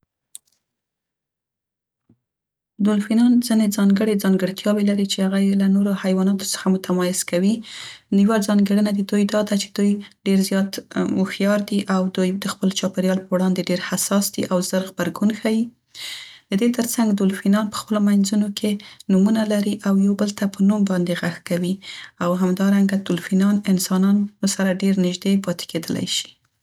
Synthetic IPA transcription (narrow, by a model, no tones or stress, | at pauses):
d̪ʊlfinɑnzined͡zɑŋɡəɽed͡zɑŋɡəɽt̪jɑbelaɾit͡ʃehaɣajelanoɾohajwɑnɑt̪o̥sə̥xamʊt̪amɑjɪz̥kawinjəwad͡zɑŋɡəɽənad̪id̪ujd̪ɑd̪at͡ʃe̥d̪̥ujɖeɾzjɑt̪mʊxjɑɾd̪iʔawd̪ujd̪əxpəlt͡ʃɑpeɾjɑlpəwɽɑnd̪eɖeɾhasɑsd̪̥iʔawzəɾɣbaɾɡunxawi | d̪̥əd̪et̪əɾt͡saŋɡd̪ʊlfinɑnpə̥xpəlomajnzunokʰenumunalaɾiʔawjawbəlt̪apənumbɑnd̪eɣaxkawiawɦamd̪ɑɾaŋɡad̪ʊlfinɑnɪnsɑnɑnsaɾaɖeɾnɪʒd̪epɑt̪e̥ked̪əla̰jʃi̥